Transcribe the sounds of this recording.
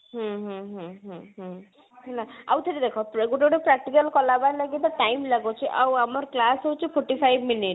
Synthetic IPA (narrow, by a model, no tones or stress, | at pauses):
ɦɔ̃ɦũɦũɦɔ̃ɦə̃ | naa̰wt̪ʰeɾid̪ekʰɔpɾɡoʈʈepɾak̚ʈikəlkɔlabaɾlaɡit̪ɔʈajmlaɡot͡ʃʰiʔa̰wamɔɾklasɦowt͡ʃʰipʰoɾʈipʰajbʱminiʈ